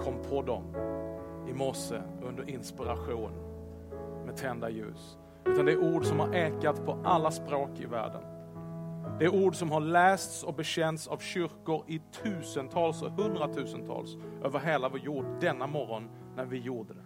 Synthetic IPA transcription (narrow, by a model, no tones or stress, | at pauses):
kʰɔmːpʰɔd̪ɔ̰m | ɪmɔsə̰ɵnd̪əɾɪnspɪɾaɧuːn | mɛt̪ʰɛnd̪ajʉ̟̰ːs | ʉ̟t̪and̪ɛæɾuːɖsɔmhaɾʔɛːkat̪pʰɔʔalːaspɾoːkɪ̰væ̰ːɖə̰n | d̪ɛæɾuːɖsɔmhaɭɛːst̪sɔbɛɕɛnt̪savɕʏɾkʊɾɪt̪ʰʉ̟ːsənt̪ʰɑːlshɵnd̪ɾat̪ʰʉ̟ːsənt̪ʰɑ̰ːlsʔøːvəɾɦeːlavɔːjuːɖd̪ɛnːamɔɾɔnː | æɾvɪjuːɖəd̪ɛ